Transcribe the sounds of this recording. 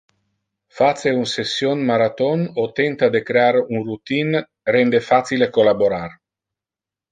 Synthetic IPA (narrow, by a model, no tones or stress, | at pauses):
fat̪seunsesːionmaɾat̪onot̪ent̪ad̪ekɾeaɾunrut̪in | rend̪efat̪silekolaboɾar